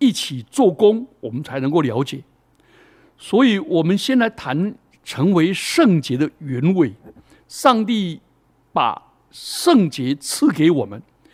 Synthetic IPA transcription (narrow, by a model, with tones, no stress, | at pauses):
i˥˩t͡ɕʰi˨˩t͡swɔ˥˩kʊ˥ŋwɔ˨˩mə˦nt͡sʰa˧˥ɪnə˧˥ŋko˥˩ʊljɑ˧˥ʊt͡ɕjɛ˨˩˦ | swɔ˧˥i˨˩wɔ˨˩mə˦nɕjɛ˥˧nla˧˥ɪt̪ʰa˧˥n | ʈ͡ʂʰɤ˧˥ŋwe˧˥ɪʂɤ˥˩ŋt͡ɕjɛ˧˥d̪ə˧ɥɛ˧˥nwe˨˩ɪ | ʂɑ˥˧ŋt̪i˥˩ | pa̰˨˩ | ʂɤ˥˩ŋt͡ɕjɛ˧˥t͡sʰɹ̩˥˩ke˧˥ɪwɔ˨˩mə˦n